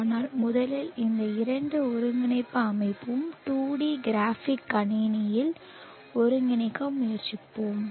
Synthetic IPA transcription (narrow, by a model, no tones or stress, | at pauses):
naːlmʊðɐlɪlɪnd̪ɐɪɾɐɳɖɯɔɾɯŋɡɪnɐɪpːɯɐmɐɪpːɯmʈuːɽiɡɪɾaːfɪkːɐɳiːnɐjɪl | ɔɾɯŋɡɪɳɪkːɐmːʊjɐɾt͡ʃːɪpːoːm